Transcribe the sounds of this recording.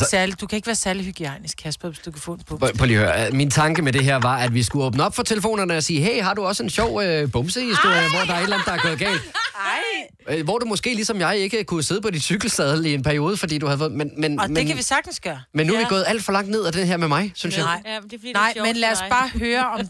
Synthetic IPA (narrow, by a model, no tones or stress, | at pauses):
ssæɐlid̥ukʰæe̝ɡ̥əʋæːɐsæɐliɦyɡ̥iɛnisɡ̥hæsb̥ɔsd̥ukʰæfɔ̰npʰpʰɒliøɐmint͡sʰɑ̈ŋɡ̥əmed̥e̝ɦeɐ̰ʋɑ̈ʔæd̥ʋisɡ̥uɔːb̥nəɒ̽b̥fɒ̽t͡sʰe̝ləfo̝̰ːnɐnəɒ̽siːɦḛɪ̰ɦɑ̈duɒ̽səe̝nɕɒʊ̰øb̥ɔ̽msəhisd̥o̝ɐ̰iʋɒd̥ɑ̈æɐedlænd̩̥ˠdɑæɐɡ̥ɔ̽ːð̩ˠɡ̥ɛ̰ːld̥ | ʋɒd̥umɒ̽sɡ̥e̝̰ːlisɒ̽mjɑ̈ɪe̝ɡ̥əkʰuse̝ð̞ˠpʰɒ̽d̥id̥syɡ̥l̩sd̥ɛð̞ˠie̝npʰæɐio̝ːð̞ˠəfɒ̽d̥ḭːd̥uhæðˠfɔ̽ð̩ˠmenmenmeenʋisɑɡ̥̚d̥n̩sɡ̥ɶːɐmenːuæʋiɡɔ̽ːð̩ˠæl̰d̥fɒ̽lɑ̈ŋ̰d̥ne̝ð̞̰ˠæd̥eɦeɐ̰memɑ̈ɪsynsjaɪnɑɪ̰menlæsbɑ̈ːhøːɐɒ̽m